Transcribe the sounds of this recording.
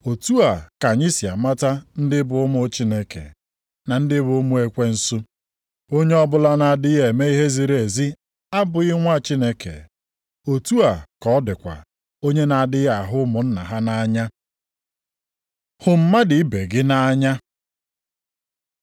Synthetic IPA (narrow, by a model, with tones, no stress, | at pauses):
o˨tu˦a˨ka˨ɲi˦si˨a̰˨ma˦ta˦n̩˦dɪ˦bʊ˨ʊ˦mʊ˦t͡ʃi˦ne˦kḛ˨ | na˨n̩˦dɪ˦bʊ˨ʊ˦mʊ˦e˨kʷe˦n̩˦sʊ˦ | o˦ɲe˦ɔ˦bʊ˦la˦na˨dɪ˦ɦe˨me˦i˦ɦe˦zi˨ɾe˨zi˦ | a˦bʊ˨ɪ˦ŋʷa˦˨t͡ʃi˦ne˦kḛ˨ | o˨tu˦a˨kɔ˨˦dɪ˨kʷa̰˨ | o˦ɲe˦na˨dɪ˦ɣa˨ɦʊ˦mʊ˨n̩˦na̰˨ɦa˦na˦a˦ɲa˦ | hʊ˨m̩˦ma˦dɪ˨i˦be˨ɡɪ˦na˦ɲa˦